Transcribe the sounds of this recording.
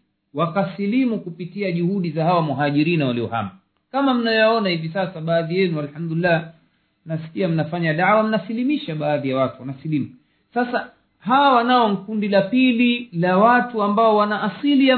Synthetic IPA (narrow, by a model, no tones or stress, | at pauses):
wakasilimukupitiaʄuhuɗizahawamuɦaʄiɾinawaliɔ̰ha̰mba | kamam̩najɔjaɔnahivisasaɓaːðijɛnualħamd̪ulilːa | mnasi̥kiam̩nafaɲaɗawam̩nasilimiʃaɓaːðijawatuwanasilimu | sasa | ɦawawanaɔŋkundilapililawatuambaɔwanaʔːsilija